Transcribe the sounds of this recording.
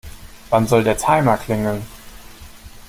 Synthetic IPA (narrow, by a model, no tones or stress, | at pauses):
v̥anzɔldeːɐtʰaɪmɐkl̥ɪŋən